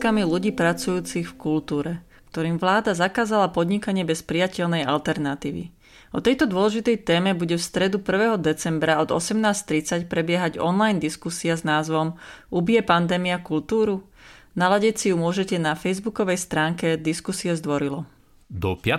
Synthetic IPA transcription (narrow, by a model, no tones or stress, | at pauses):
kamiluɟiːpɾat͡sujuːt͡sixfkult̪uːɾɛ | kt̪ɔɾiːmʋlaːd̪azakaːzalapɔd̪ɲikaɲɪɛbɛspɾijacɛʎnɛja̰lt̪ɛɾnat̪iːʋḭ | ɔt̪ɛjt̪ɔd̪ʊɔlɛʒit̪ɛjt̪ɛːmɛbuɟɛfst̪ɾɛd̪upr̩ʋɛːɦɔd̪ɛt͡sɛmbɾaɔd̪ɔ̰sɛmnaːst̪ɾit͡sacpɾɛbɪɛɦaɟɔ̰nlajnd̪iskusiaznaːzʋɔmʔubiɛpand̪ɛːmiakult̪uːɾu | nalaɟɛcsijumʊɔʒɛcɛnafɛjzbukɔʋɛjst̪ɾaːŋkɛd̪iskusiɛzd̪ʋɔɾilɔ | d̪ɔpɪa